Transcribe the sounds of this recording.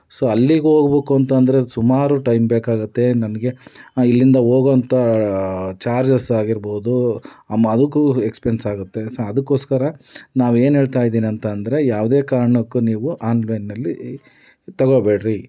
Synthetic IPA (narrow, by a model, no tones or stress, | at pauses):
soːɐlːiɡeoːɡɐbeːkuɐnt̪ɐnd̪ɐɾe̞sumaːɾuʈɐjmbeːkaːɡut̪ːe̞nɐnɐɡe̞ilːind̪ɐɦoːɡont̪ɐ | t͡ʃaːɾd͡ʒɐsaːɡiɾboːd̪uɐmːɐɐd̪ɐkːuekspensaːɡut̪ːe̞soɐd̪ɐkːo̞ːskɐɾɐnaːʋue̞ːnɦeːɭt̪aːjd̪iːniɐnt̪ɐːnd̪ɐɾe̞jaːʋd̪eːkaːɾɐɳɐkːuniːʋuʔaːnlɐjnːɐlːi | t̪ɐɡobeːɽɾi